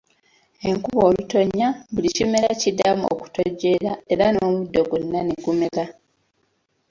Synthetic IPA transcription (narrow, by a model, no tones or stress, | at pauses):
e̞ŋkuβo̞ːluto̞ɲːaβulicimelacidːamuo̰ku̥to̞ɟːe̞ɾae̞ɾano̞ːmudːo̞ɡunːaneɡumeɾa